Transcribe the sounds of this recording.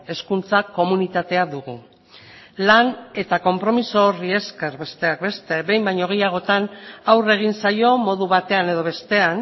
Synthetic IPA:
e̞skunt͡sako̞munit̪at̪e̞aðuɣu | lane̞t̪ako̞mpɾo̞miso̞rie̞ske̞ɾbe̞st̪eak̚be̞st̪e̞be̞jmbajɲo̞ɣ̞ejaɣ̞o̞t̪anawre̞ɣ̞insajo̞mo̞ðuβat̪e̞ane̞ðo̞β̞est̪e̞an

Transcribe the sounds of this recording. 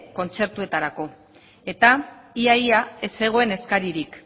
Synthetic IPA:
ko̞nt͡se̞ɾt̪ue̞t̪aɾako̞ | e̞t̪aiajaese̞ɣ̞o̞e̞ne̞skaɾiɾik

